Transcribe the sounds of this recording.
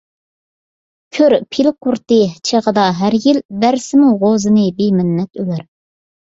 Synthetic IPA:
kʲʰøɾpʰilqʰuɾt̪ɨt͡ʃʰeʁəd̪ɑɦæɾjilbæɾsɪmuʁozɨnɨbimɪnːɛt̪ølæɾ

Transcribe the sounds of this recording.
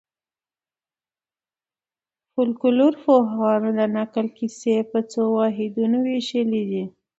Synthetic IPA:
fʊlkʊluɾfoɦɣɑnod̪ənakəlkisepət͡sowɑɦɪd̪unoweʃəlid̪i

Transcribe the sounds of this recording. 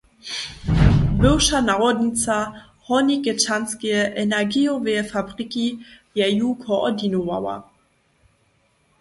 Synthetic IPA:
bɪwʃanaʁɔd̪ɲit͡sa | hɔniɡɛt͡ʃanskɛjʔɛnɛɡiɔvɛɛfabʁiki | jɛjukʰɔʔɔ̰dinova̰wa̰

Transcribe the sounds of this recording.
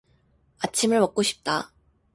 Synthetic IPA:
at͡ɕʰimɯɭmʌk̚k͈oɕʰi̥p̚t͈a

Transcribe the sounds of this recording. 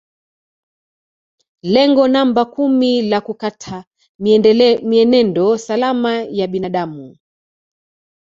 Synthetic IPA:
lɛŋɡɔnambakumilakukatʰa | miɛnɛndɔsalamajaɓinaɗamu

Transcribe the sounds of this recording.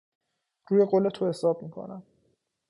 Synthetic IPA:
ɾuːje̞ɢoːle̞t̪ʰohe̞sɒːb̚miːkʰo̰næm

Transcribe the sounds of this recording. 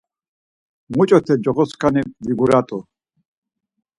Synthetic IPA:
mut͡ʃʼɔt̪ʰɛd͡ʒɔʁɔskʰaniviɡuɾat̪ʼɔ

